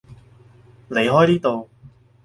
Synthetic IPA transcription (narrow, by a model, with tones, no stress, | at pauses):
le˨˧jɦɔː˥jniː˥t̪o˨w